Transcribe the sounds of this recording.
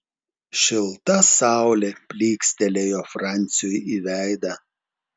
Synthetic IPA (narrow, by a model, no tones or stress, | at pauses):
ʃʲɪlˠt̪ɐsɑˑʊlʲeːpʲlʲiːksʲt̪ʲɛlʲejoːfɾɑˑnʲt̪sʲɪjojiːʋʲæˑɪd̪ɐ